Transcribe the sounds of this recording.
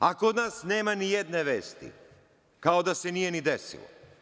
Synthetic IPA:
akod̪naːsne̞ːmanijed̪neʋeːst̪ḭ | kaod̪ase̞nije̞nid̪esḭlo̰

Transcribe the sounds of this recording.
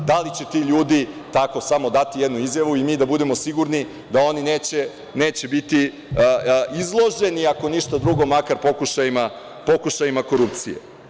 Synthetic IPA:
d̪alit͡ɕet̪iʎuːd̪it̪ako̞samo̞d̪at̪ijed̪nuizjaʋuimiːd̪abud̪e̞mo̞siɡuɾni | d̪ao̞nineːt͡ɕe | ne̞ːt͡ɕebit̪i | izlˠo̞ʒe̞niako̞niʃt̪ad̪ɾuɡo̞makaɾpo̞kuʃajima | po̞kuʃajimako̞ɾup̚t̪sijḛ

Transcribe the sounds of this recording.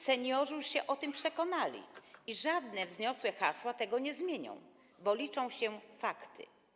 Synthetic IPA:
sɛɲɔʐuɕɛʔɔt̪ɘmpʂɛkɔnalʲḭiʐad̪nɛvzɲɔswɛxa̰swat̪ɛɡɔɲɛzmʲjeɲɔ̰̃w̃ | bɔlʲit͡ʂɔ̃w̃ɕɛfakt̪ɘ̰

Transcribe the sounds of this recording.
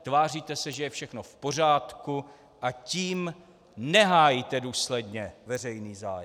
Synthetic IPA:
t̪vaːriːt̪ɛsɛʒɛjɛfʃɛxnofpo̞r̝aːt̪ku | ʔaciːm | nɛɦaːjit̪ɛduːslɛdɲɛvɛrɛjniːza̰ːjɛ

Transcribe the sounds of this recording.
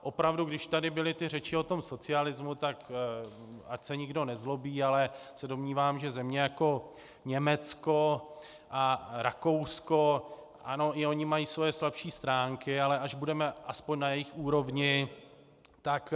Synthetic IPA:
ʔo̞pɾavduɡdɪʃt̪adɪbɪlɪt̪ɪrɛt͡ʃɪo̞t̪o̞mso̞t͡sɪalɪzmut̪ak | ʔacsɛɲɪɡdo̞nɛzlo̞biːalɛsɛdo̞mɲiːvaːmʒɛzɛmɲɛjako̞ | ɲɛmɛt͡sko̞ | ʔaɾako̞wsko̞ | ʔano̞ʔɪo̞ɲɪmajiːsvo̞jɛslapʃiːst̪ɾaːŋkɪalɛʔaʒbudɛmɛʔaspoɲnajɛjɪxuːɾo̞vɲɪ | t̪ak

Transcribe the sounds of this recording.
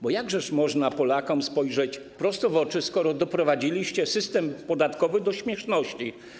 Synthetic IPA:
bɔjaɡʐɛʂmɔʐnapɔlakɔmspɔjʐɛt͡ɕ | pɾɔst̪ɔvɔt͡ʂɘskɔɾɔd̪ɔpɾɔvad͡ʑilʲiɕt͡ɕɛsɘst̪ɛmpɔd̪at̪kɔvɘd̪ɔɕmʲjɛʂnɔɕt͡ɕi

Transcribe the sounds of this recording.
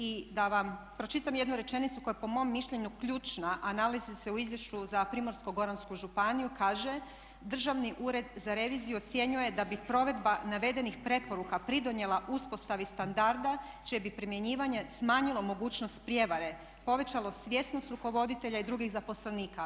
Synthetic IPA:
id̪aʋam | pɾo̞t͡ʃit̪amje̞d̪nuɾe̞t͡ʃe̞nit̪sukojepo̞mo̞mːiʃʎe̞ɲukʎuːt͡ʃnaʔanalizise̞uizjeʃt͡ɕuzapɾimo̞ɾsko̞ɡo̞ɾanskuʒupanijukaːʒe̞ | d̪r̩ʒaʋniʔuːɾe̞d̪zaɾe̞ʋizijuot̪sje̞ɲuje̞d̪abipɾo̞ʋe̞d̪banaʋe̞d̪e̞nixpɾe̞po̞ɾukapɾid̪o̞ɲje̞lˠaʔuspo̞st̪aʋist̪and̪aɾd̪a | t͡ʃiebipɾimje̞ɲiːʋaɲe̞smaːɲilo̞mo̞ɡuːt͡ɕno̞st̪̚pɾje̞ʋaɾe̞ | po̞ʋe̞t͡ɕalo̞sʋʲje̞sno̞st̪ɾuko̞ʋo̞d̪it̪e̞ʎaid̪ɾuɡiɣzapo̞sleniːka

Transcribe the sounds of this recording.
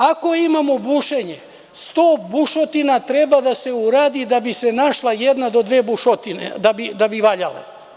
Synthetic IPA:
ako̞imamobuʃeɲe | st̪o̞ːbuʃot̪inat̪ɾe̞bad̪ase̞uɾaːd̪id̪abise̞naʃlajed̪nad̪o̞d̪ʋeːbuʃot̪inḛd̪abid̪abiʋaʎala̰

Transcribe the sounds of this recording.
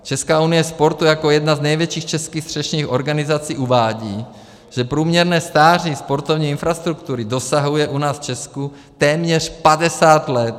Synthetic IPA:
t͡ʃɛskaːunijɛspoɾt̪ujakojɛd̪naznɛjvjɛt͡ʃiːxt͡ʃɛskiːxst̪r̝̥ɛʃɲiːxoɾɡanizat͡siːʔuvaːɟiː | ʒ̥ɛpɾuːmɲɛɾnɛːst̪aːrispoɾt̪ovɲiːinfɾast̪ɾukt̪uɾid̪osaɦujɛʔunaːsft͡ʃɛsku | t̪ɛːmɲɛr̝̥padɛsaːt̪lɛt̪

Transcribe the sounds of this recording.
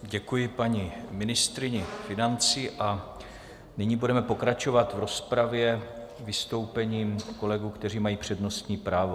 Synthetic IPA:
ɟɛkujɪpaɲimɪnɪst̪ɾɪɲɪfɪnant͡siːʔa | nɪɲiːbudɛmɛpo̞kɾat͡ʃo̞vat̪vɾo̞spɾavjɛvɪst̪o̞wpɛɲiːmko̞lɛɡuːkt̪ɛriːmajiːpr̝̥ɛdno̞st̪ɲiːpɾaːvo̞

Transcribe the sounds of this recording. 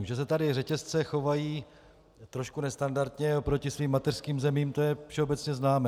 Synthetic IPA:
ʒɛs̬ɛt̪adɪrɛcɛst͡sɛxo̞vajiː | t̪ɾo̞ʃkunɛst̪andaɾt̪ɲɛopɾo̞cɪsviːmːat̪ɛr̥skiːmzɛmiːmt̪o̞jɛfʃɛobɛt͡sɲɛznaːmɛː

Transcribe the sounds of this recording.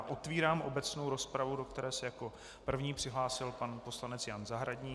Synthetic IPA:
ʔo̞t̪viːɾaːmʔo̞bɛt͡snowɾo̞spɾavudo̞kt̪ɛɾɛːsɛjako̞ | pr̩vɲiːpr̝̥ɪɦlaːsɪlpanpo̞slanɛt͡sjanzaɦɾaɟɲiː

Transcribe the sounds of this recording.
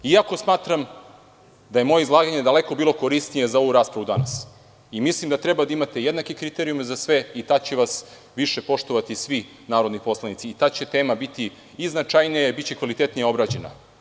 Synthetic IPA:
iako̞smaːt̪ɾam | d̪aje̞mo̞je̞izlˠaːɡaɲed̪ale̞ko̞biːlo̞koɾist̪nije̞zao̞ʋuɾaːspɾaʋud̪anas | imislimd̪at̪ɾebad̪aimat̪e̞jed̪nakikɾit̪eɾijumzasʋe̞it̪at͡ɕeʋas | ʋiʃe̞po̞ʃt̪o̞ʋat̪isʋi | naːɾo̞d̪nipo̞slˠanit̪siːt̪aːt͡ɕe̞t̪e̞ːmabit̪i | iznat͡ʃajnijabit̪t͡ɕekʋalit̪e̞t̪nijeo̞bɾaːd͡ʑe̞na̰

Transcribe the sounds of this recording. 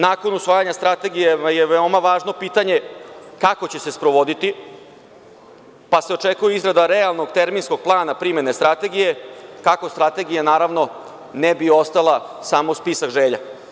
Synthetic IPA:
naːko̞nusʋaːjaɲast̪ɾat̪e̞ɡijejeʋeo̞maʋaːʒno̞piːt̪aɲe̞kako̞t͡ɕe̞se̞spɾo̞ʋo̞d̪it̪i | pase̞o̞t͡ʂe̞kujeizɾad̪aɾealˠno̞ɡt̪e̞ɾminsko̞ɡ̚plˠaːnapɾime̞ne̞st̪ɾat̪e̞ɡije̞kako̞st̪ɾat̪e̞ɡijanaːɾaʋno̞ | nebio̞st̪alˠasaːmospisakʒeːʎa̰

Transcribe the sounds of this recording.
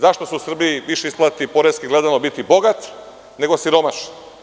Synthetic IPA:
zaʃt̪o̞suusr̩biiʋiʃeisplˠat̪ipo̞ɾeskiɡled̪anobit̪ibo̞ɡat̪ | ne̞ɡo̞siɾo̞maʃn

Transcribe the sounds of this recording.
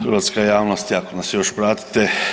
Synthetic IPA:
ɾʋat̪skajaːʋnost̪iakonasjoʃpɾaːt̪i̥t̪e

